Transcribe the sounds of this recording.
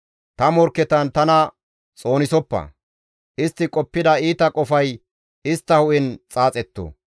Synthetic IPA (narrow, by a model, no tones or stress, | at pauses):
t̪ɐmɔɾkːɛt̪ɐnt̪ɐnɐ | t͡sʼo̞ːnɪsɔpːɐ̰ | ʔɪst̪ːɪkʼɔpːɪd̪ɐiːt̪ɐkʼɔfɐj | ɪst̪ːɐhʊʔɪnt͡sʼaːt͡sʼɛt̪ːo̰